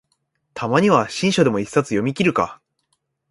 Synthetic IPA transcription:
t̪ʰamaɲ̟iβ̞aɕĩɰ̃ɕo̞d̪e̞mo̞isːat͡sɨjo̞mʲikʲiɾɯ̟ka̰

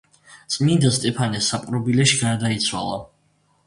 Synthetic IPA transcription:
t̪sʼmind̪ast̪ʼɛpʰanɛsːapʼɾɔbilɛʃiɡaɾd̪ait̪sʰwa̰lˠa̰

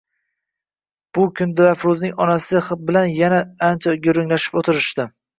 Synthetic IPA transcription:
b̥ʊkʰʲʊnd̪ɪɾafɾʊznɪŋɒnasɪχɨp̚bɪlanjanaant͡ʃʰaɡʲʊɾʊŋlaʃɪ̥pot̪ʰɪɾɪʃt̪ɪ

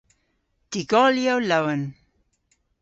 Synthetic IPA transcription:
tiɡɔljawlawən

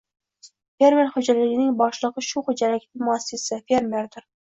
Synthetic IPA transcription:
feɾmeɾχod͡ʒɛlɪɡʲɪnɪŋbɑʃlˠəqəʃuχod͡ʒɛlɪkʲt̪ɪmuɛsːɨsɪfeɾmeɾd̪ʊɾ

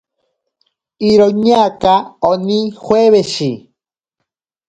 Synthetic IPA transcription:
iɾoɲakaonixweβeʃi

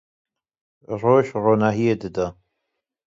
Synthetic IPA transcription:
roːʃroːnaːɦijed̪ɨd̪a

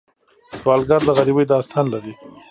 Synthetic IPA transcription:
swɑːlɡaɾd̪əɣaɾibəjd̪ɑst̪ʰɑnlaɾi

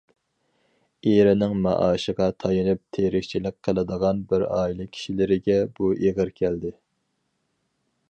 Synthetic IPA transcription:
eɾɪnɪŋmɑ̰ʔɑːʃəʁɑt̪ʰɑjɨnɨp̚t̪ʰeɾɪkʲt͡ʃʰilɪk̚ʲqʰːəlˠɨd̪əʁɑnbɪɾɑːjilˠɨkʲʰi̥ʃilɪɾɪɡʲɛbuʔeʁəɾkʲʰæld̪ɪ

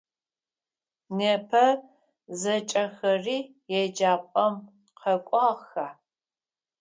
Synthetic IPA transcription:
neːpʰɐ | zɐt͡ʃʼɐxɐriː | jɛd͡ʒaːpʷʼɐm | qʰɐkʷʼɑːxaː

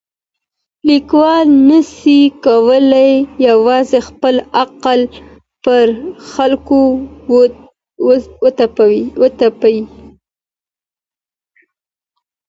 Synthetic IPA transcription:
likwɑlnəsikawəlajːawɑzexpəlaqal | pəɾxalko | wət̪apawət̪apawi

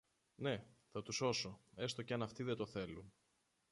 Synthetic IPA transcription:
ne̞θɐt̪uso̞so̞e̞st̪o̞ceɐnɐft̪iðe̞t̪o̞θe̞lun

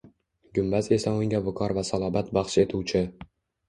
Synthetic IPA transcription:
ɡʲʊmbaze̞saʊŋɡʲavʊkʰɒɾvasalˠɒbat̪bɑχʃe̞t̪ʰuwt͡ʃʰɪ

